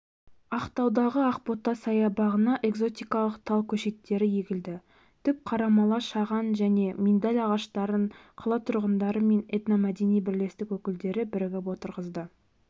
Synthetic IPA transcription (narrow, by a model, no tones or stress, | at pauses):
ɑqt̪ɑwd̪ɑʁəɑqpo̞t̪ːɑsɑjɑbɑʁənɑʔe̞ɡzo̞t̪ijkɑlˠəqt̪ʰɑlˠkʲʰɵʃe̞t̪ːe̞ɾɪje̞ɡʲɪld̪ɪ | t̪ʰʏp̚qʰɑɾɑmɑlˠɑʃɑʁɑnʒæne̞mind̪ɑlʲɑʁɑʃt̪ɑɾəɴqʰəlˠɑt̪ʰʊɾʁənd̪ɑɾəme̞net̪namæd̪e̞nijbɪɾle̞st̪ɪkwɵkʲɪld̪e̞ɾɪbɪɾɡʲepwo̞t̪əɾʁəzd̪ə